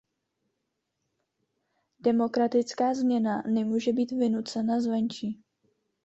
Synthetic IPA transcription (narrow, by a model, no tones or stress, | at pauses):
d̥ɛmo̞kɾat̪ɪt͡skaːzmɲɛnanɛmuːʒɛbiːt̪vɪnut͡sɛnazvɛnt͡ʃiː